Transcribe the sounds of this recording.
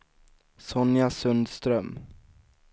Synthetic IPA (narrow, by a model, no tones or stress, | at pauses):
sɔnjasɵnd̪st̪ɾœm